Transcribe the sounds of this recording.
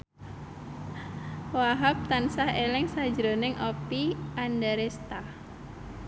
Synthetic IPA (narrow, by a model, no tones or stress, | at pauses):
waɦap̚t̪ansahɛlɛŋsad͡ʒɾonɪŋʔɔpiʔandaɾɛst̪a